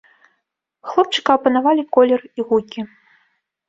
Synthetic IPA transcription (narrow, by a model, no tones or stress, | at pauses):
xlˠɔp̚t͡ʂɨ̥kɐːpɐnavalʲikɔlʲɛriɣukʲi